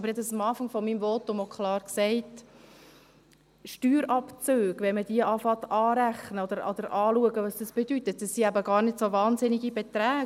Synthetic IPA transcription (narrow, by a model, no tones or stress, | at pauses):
ɑb̥əɾjɛsɑmɑːfɑŋfɔmiːmvɔtʊmokʰχlɑːrksɛɪt | ʃtyːɾɑpt͡søːɡ̥ʋɛnməd̥iəʔɑfɑt̪ɑːɾæχnəɔd̪əɾɔd̪əɾʔɑːluəɡəʋɑsd̥ɑsb̥ɛdytət̚d̥əsːiæbəɡɑːɾnɪdsovɑːnsɪniɡibɛt̪ɾæː